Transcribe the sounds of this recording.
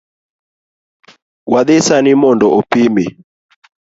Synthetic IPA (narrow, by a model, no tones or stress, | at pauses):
waðɪsanɪmɔndɔʔopimi